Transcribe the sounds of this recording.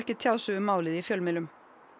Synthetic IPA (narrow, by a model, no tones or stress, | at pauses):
hcɪt̪ʰjaːwsʏʏmaːwlɪðifjœlmɪlʏm